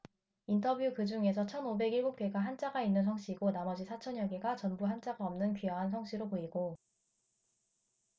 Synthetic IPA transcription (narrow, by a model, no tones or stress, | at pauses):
intʰʌbjukɯd͡ʑuŋe̞sʰʌt͡ɕʰʌnobe̞ɡiɭɡuk̚p͈eɡaɦant͡ɕ͈aɡainːɯns̬ʰʌŋɕ͈iɡonamʌd͡ʑisʰat͡ɕʰʌnjʌɡiɡat͡ɕʌnbuɦant͡ɕ͈aɡaʌmnɯnkɥijʌɦans̬ʰʌŋɕ͈iɾopoiɡo